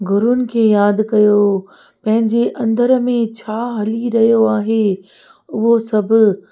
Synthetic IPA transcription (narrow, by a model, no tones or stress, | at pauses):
ɡʱʊɾʊnɪ̆kʰeːjaːd̪kɐjo | pɐ̃ɦɪ̃ɲd͡ʑeʔɐ̃nd̪əɾmẽt͡ɕʰaːɦɐliɾɐɦijoaːɦe | ʊɦosɐbʱɪ̆